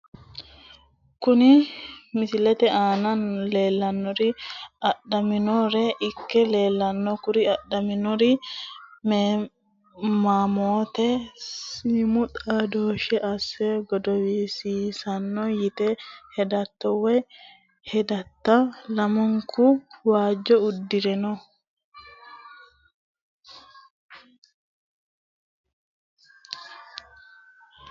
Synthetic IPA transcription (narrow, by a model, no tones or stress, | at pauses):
kʊnɪmɪsɪlɛt̪ɛʔaːnɐnle̞ːlːɐnːɔɾɪɐɗɐmɪnɔɾɛʔɪkːɛle̞ːlːɐnːɔkʊɾɪɐɗːɐmɪnɔɾɪ | meː | maːmoːt̪ɛsimʊt̪ʼaːd̪oːʃɛʔɐsːɛɡɔd̪ɔwiːsiːsɐnːɔjɪt̪ɛhɛd̪ɐt̪ːɔwɛ | hɛd̪ɐt̪ːɐlɐmɔŋkʰʊwaːd͡ʒːɔʊd̪ːɪɾɛnɔ